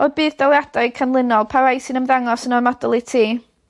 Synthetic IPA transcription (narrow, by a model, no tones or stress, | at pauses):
oðbɨːðdawjad̥aɨkʰanlˠɪnɔlˠpʰaɾajsɨnəmðaŋɔsənɔrmadɔlˠitʰiː